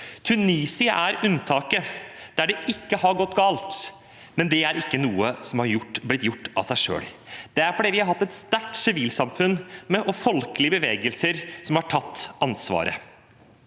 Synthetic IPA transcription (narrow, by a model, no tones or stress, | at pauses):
t̪ʰʉniːsɪə̰ʔæɾʉnt̪ʰɑːkəd̪̥æɖɛɪkːəhɑɾɡɔt̪ːɡɑːlt̪ | mɛnd̪ɛæɾɪkːənuːəsɔmhɑɾjʊʈːblɪt̪jʊʈːɑ̰sæɪʂø̰ːl | d̪̥ɛæɾfɔɖiːʋɪhɑɾɦɑt̪ːɛt̪st̪æʈsɪʋiːlsɑmfʉnːmɛʔɔfɔlkəlɪəbəʋeːɡəlsəɾsɔmhɑʈʰɑt̪ːɑnsʋɑ̰ːɾə̰